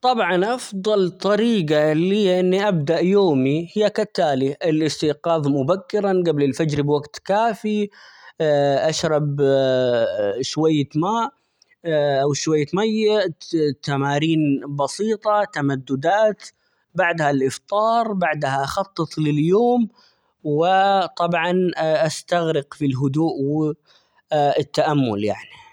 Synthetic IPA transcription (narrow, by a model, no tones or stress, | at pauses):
t̪ˤɑbʕɑnʔɑfðˤɑlt̪ˤːɑɾiːɡalijːaʔɪnːiʔabd̪aʔjoːmihɪjːakat̪ːaːliʔɪlʔɪst̪iqɑːðˤmʊbakːɪɾanɡablɪlfad͡ʒɾbwaɡt̪kaːfi | ʔaʃɾˤɑb | ʃwajːamaːʔ | ʔawʃwajːamajːaʔt̪ːamaːɾiːnbɑsiːt̪ˤɑt̪amad̪ːʊd̪aːt̪ | baʕd̪halʔɪft̪ˤɑːɾˤbaʕd̪haʔɑxɑt̪ˤːɨt̪ˤlɪljoːm | wɪt̪ˤɑbʕɑnʔast̪aɣɾɪqfilɦʊd̪uːʔwɪ | ɪt̪ːaʔamːʊlja̰ʕni